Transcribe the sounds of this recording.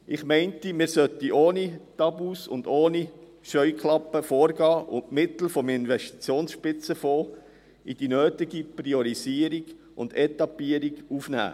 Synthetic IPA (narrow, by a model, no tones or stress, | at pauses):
ʔɪχmɛɪntimɪːɾsœtiʔoːnit̪ɑbuːsʊ̰nd̪oːni | ʃœʏklɑpːəfoːɾɡɑːʔʊnmɪt̪l̩fɔmɪnʋɛʃti̥t͡sjoːnsʃpɪt͡səfoː | id̥inøːtiɡipriɔɾiziəɾiɡ̥ | ʔʊ̰nd̥ɛt̪ɑpːiəɾiɡufnæ̰ː